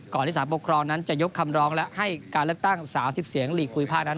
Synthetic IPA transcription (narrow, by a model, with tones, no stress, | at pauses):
kɔː˨˩nli˦˥saː˩˦po˨˩kʰɾɔː˧ŋna˦˥nt͡ɕa˨˩jo˦˥kʰːa˧mɾɔː˦˥ŋlɛ˦˥ʔʔha˥˩jkaː˧nlɯ˥˩ək̚t̪a˥˩ŋsaː˩˦msi˨˩p̚si˩˦əŋliː˨˩kʰːuː˧jpʰaː˥˩k̚na˦˥n